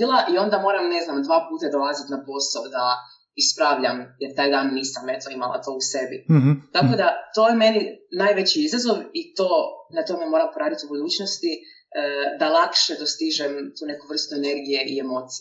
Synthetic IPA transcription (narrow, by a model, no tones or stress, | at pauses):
ilˠaʔio̞nd̪amo̞ːɾamne̞znamd̪ʋaːpuːt̪ad̪o̞lˠazit̪napo̞sod̪a | ispɾaːʋʎamjeɾt̪aːjd̪aːnːiːsamet̪oimalˠa̰t̪o̞usebḭt̪ako̞d̪at̪o̞ːjeme̞ninaːjʋet͡ɕiizazo̞ʋit̪oːnat̪o̞me̞mo̞ɾampo̞ɾaːd̪it̪ubud̪uːt͡ɕnost̪i | d̪alˠakʃe̞d̪ost̪iʒemt̪uːne̞kuʋr̩st̪uene̞ɾɡije̞ʔiemo̞ːt̪si